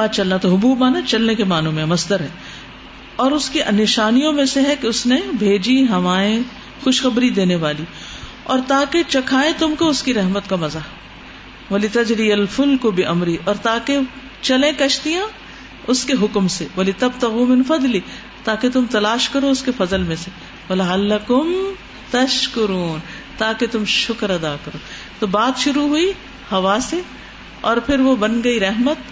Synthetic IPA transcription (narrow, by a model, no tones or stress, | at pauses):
aːt͡ʃɐlnat̪oɦʊbuːbmaːnat͡ʃɐlnekemaːnõmẽɦmɐsd̪əɾɦɛː | ɔːɾʊskiʔnɪʃaːnijõmẽseɦɛkeʊsnebʱeːd͡ʒiɦɐmaːẽ | xʊʃxɐbɾid̪eːneʋaːli | ɔːɾt̪aːket͡ʃɐkʰaːẽt̪ʊmkoʊskiɾɐɦmət̪kamɐzaː | ʋɐlɪt̪ɐd͡ʒɾiɐlfʊlkʊbɪʔɐmɾiʔɔːɾt̪aːke | t͡ʃɐlẽkɐʃt̪ijã | ʊskeɦʊkmseʋɐlɪt̪ɐbt̪ɐɣuːmɪ̃nfɐd̪li | t̪aːket̪ʊmt̪ɐlaːʃkɐɾoʊskefɐzəlmẽse | wɐlɐalːɐkʊm | t̪ɐʃkʊɾuːn | t̪aːket̪ʊmʃʊkɾɐd̪aːkɐɾoː | t̪obaːt̪ʃʊɾuɦui | hɐʋaːse | ɔːɾpʰɪɾʋobɐnɡɐiɾɛɦmət̪̚